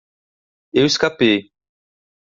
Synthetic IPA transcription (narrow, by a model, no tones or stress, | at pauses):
ewiskapej